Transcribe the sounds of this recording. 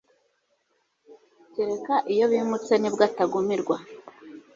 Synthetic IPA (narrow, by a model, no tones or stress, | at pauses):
ceɾe̞kaʔijo̞βiːmut͡se̞nibɡataɡumiɾɡwa